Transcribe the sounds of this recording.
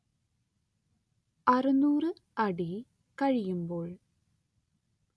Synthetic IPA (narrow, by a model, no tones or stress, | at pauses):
ɐrɨnuːrɨ | ɐɽi | kɐɻijumbo̞ːɭ